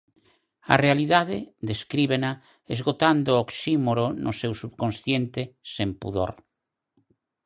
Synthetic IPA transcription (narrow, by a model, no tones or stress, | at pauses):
a̰realiðaðɪd̪eskɾiβena | ezɣot̪and̪ooksimoɾonʔʊsewsuβkõnsθjent̪ɪsempṵðo̰ɾ